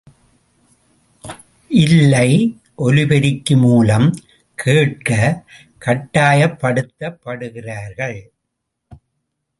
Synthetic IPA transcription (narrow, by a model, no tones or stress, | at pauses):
ʔɪlːɐɪ | ʔɔlɪbɐɾɪkːɯmuːlɐm | kʰeːʈ̚kɐ | kɐʈːaːjɐpːɐɽɯt̪ːɐpːɐɽɯɣɪraːɾɣɐɭ